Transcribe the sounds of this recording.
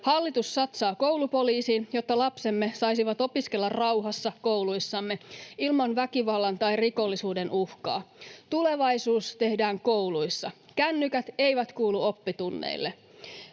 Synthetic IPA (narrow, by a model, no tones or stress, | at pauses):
hɑlːit̪usːɑt̪sɑːko̞wlupo̞liːsiːnjo̞t̪ːɑlɑpse̞mːe̞sɑjsiʋɑt̪o̞piske̞lːɑrrɑwɦɑsːɑko̞wlujsːɑmːe̞ilmɑnʋækiʋɑlːɑnt̪ɑjriko̞lːisuːde̞nʔuhkɑ̰ːt̪ule̞ʋɑjsuːst̪e̞hdæːŋko̞wlujsːɑ | kænːykæt̪ejʋæt̪kuːluo̞pːit̪unːḛilːe